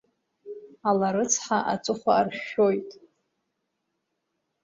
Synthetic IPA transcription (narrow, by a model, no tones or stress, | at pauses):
alaɾɨt͡sʰħaʔa̰t͡sʷʼɨχʷaːrʃojtʼ